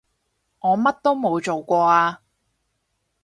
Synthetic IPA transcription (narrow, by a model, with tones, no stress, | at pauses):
ŋɔː˨˧mɐ˥t̚t̪o˥wmo˨˧wt͡ʃo˨wkʷɔː˧aː˧